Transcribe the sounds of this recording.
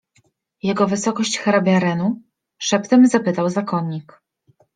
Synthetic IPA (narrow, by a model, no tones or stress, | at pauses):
jɛɡɔvɘsɔkɔɕt͡ɕxɛɾabʲjaɾɛnu | ʂɛpt̪ɛmzapɘt̪awzakɔɲːik